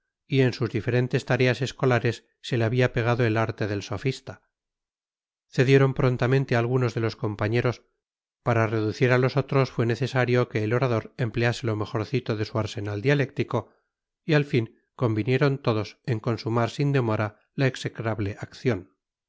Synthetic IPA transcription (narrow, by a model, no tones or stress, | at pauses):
ie̞nsuzðife̞ɾe̞nt̪e̞st̪aɾe̞ase̞sko̞laɾe̞sːe̞leaβiape̞ɣ̞aðoe̞laɾt̪e̞ðe̞lso̞fist̪a | θe̞ðje̞ɾo̞mpɾo̞nt̪amẽnt̪eaːlɣ̞uno̞zðe̞lo̞sko̞mpaɲe̞ɾo̞s | paɾare̞ðuθiɾalo̞so̞t̪ɾo̞sfwe̞ne̞θe̞saɾjo̞ke̞ːlo̞ɾaðo̞ɾe̞mplease̞lo̞me̞xo̞ɾθit̪o̞ðe̞suaɾse̞nald̪iale̞k̚t̪iko̞ | ialfiŋ | ko̞mbinje̞ɾo̞nt̪o̞ðo̞seŋko̞nsumaɾsind̪e̞mo̞ɾa | laekse̞kɾaβle̞ʔakθjo̞n